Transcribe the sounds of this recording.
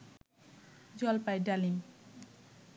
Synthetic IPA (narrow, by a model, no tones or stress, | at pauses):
d͡ʑɔlpajɖalim